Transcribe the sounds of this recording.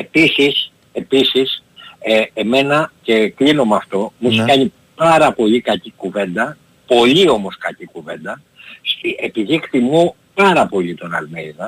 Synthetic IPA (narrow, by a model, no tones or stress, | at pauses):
e̞pisis | e̞pisiseeme̞nɐce̞klinomɐft̪o̞miskɐɲi | pɐɾɐpo̞ʎikɐcikuve̞nd̪ɐ | po̞ʎio̞mo̞skɐcikuve̞nd̪ɐ | st̪iepiðikt̪imo | pɐɾɐpo̞ʎit̪o̞nɐ̰lmejzɐ